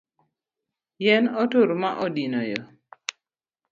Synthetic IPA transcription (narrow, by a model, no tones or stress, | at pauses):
jɛnɔtoɾmaʔɔdinojɔ̰